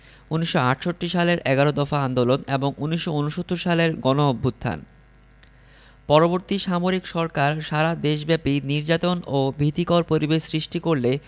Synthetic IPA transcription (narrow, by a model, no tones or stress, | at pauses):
uniʃːoaʈʰʃot̪ːɾiʃaleɾʔɛɡaɾod̪ɔfaand̪oloneboŋuniʃːounuʃot̪ːoɾʃaleɾɡɔnoobʱːut̪t̪ʰːa̰n | pɔɾoboɾt̪iʃamoɾikʃɔɾkaɾʃaɾad̪eʃ̬bɛpiniɾd͡ʑat̪onobʱit̪ikɔɾpoɾibeʃsɾiʃʈikoɾle